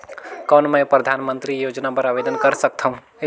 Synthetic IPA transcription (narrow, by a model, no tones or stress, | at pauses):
kɔːnmə̃jpɾəd̪ʱaːnmə̃nt̪ɾijoːd͡ʒnapəɾabed̪ənkəɾsək̚t̪ʰaɦũ